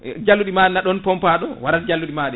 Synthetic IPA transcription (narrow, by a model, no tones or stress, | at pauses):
d͡ʒalːuɗimaːɗɛnaɗɔnpɔmpaɗɔwaɾatd͡ʒalːuɗimaːɗɛ